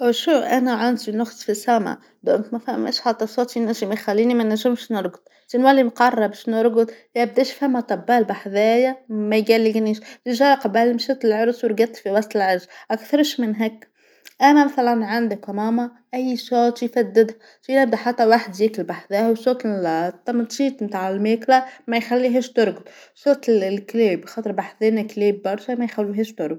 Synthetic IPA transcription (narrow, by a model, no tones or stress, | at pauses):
ʔʃuʔænæʕand̪inʊxsˤfisæmæ̰ | d̪ʊʔnt̪mæfæmːʔæ̰ʃħɑt̪ˤːɑsɑːt̪jnːæʒɪmæjxælːiːnimænæʒɪmʃnʊɾˤɡd̪̚ | t̪inwælːimqɑrˤːɑbʃnʊɾˤɡʊd̪æb̚d̪æːʃfæmːæt̪ˤɑbːæːlbaħðæːjamæjɡælːɪɡniːʃt̪iʒæqɑbælmʃæːt̪ɪlʕʊɾsˤwɾɡæt̪ːfiwɑsˤt̪ˤɪlʕɑɾzʔækθɑɾˤʃmɪnɦækː | ʔænæmæθælænʕand̪ɪkmɑːmɑ | ʔæjːʃɑːt̪jfæd̪ːɪd̪hæ | ʃinæb̚d̪æħat̪ːæwaħd̪jɪklbaħðæːhwsoːkt̪ˤːɑmt̪ˤʃiːt̪ˤmt̪aːʕɪlmeːklæmæjxælːiɦiːʃt̪ʊɾɡʊt̪ˤʃoːt̪lkleːbxɑːt̪ˤɨɾbaħðeːnækleːbːɑɾˤsmæjxælːiɦiːʃt̪ʊɾɡ̪